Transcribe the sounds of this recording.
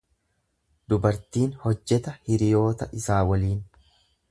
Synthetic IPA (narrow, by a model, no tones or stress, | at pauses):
d̪ʊbɐɾt̪iːnhɔd͡ʒːɛt̪ɐhɪɾɪjo̞ːt̪ɐʔɪsaːwɐliːn